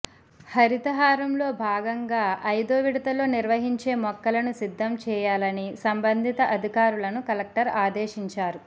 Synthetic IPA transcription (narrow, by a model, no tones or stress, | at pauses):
hɐɾit̪ɐɦaːɾɐmlo̞ːbʱaːɡɐŋɡaːɐjd̪oːʋiɽɐt̪ɐlo̞ːniɾʋɐɦiɲt͡ʃe̞ːmɔkːɐlɐnusid̪ʱːɐmt͡ʃɛːjaːlɐnisɐmbɐnd̪ʱit̪ɐʔɐd̪ʱikaːɾulɐnukɐlɐk̚ʈɐɾaːd̪eːʃiɲt͡ʃaːɾu